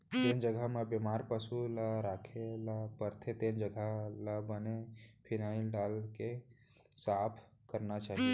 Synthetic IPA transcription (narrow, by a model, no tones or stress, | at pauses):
t̪end͡ʒəɡʱamẽbjemaɾpəsulaɾakʰelapəɾt̪ʰet̪end͡ʒəɡʱalabənepʰinaɪlɖalke | sapʰ | kəɾnat͡ʃaːɦie